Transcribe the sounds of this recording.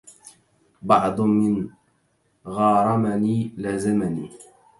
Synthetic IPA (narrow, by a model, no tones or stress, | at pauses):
bɑʕd̪ˤmɪn | ɣɑːɾˤɑmaniːlazɪmaniː